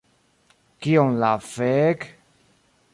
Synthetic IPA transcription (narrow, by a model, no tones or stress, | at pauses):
kioŋlafek